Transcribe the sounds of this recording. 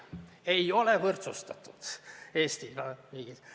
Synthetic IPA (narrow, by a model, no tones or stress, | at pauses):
ejo̞levɤrt̪sust̪ɑt̪ːˑu̥d̪̥eːst̪ivɑmiːɡ̥i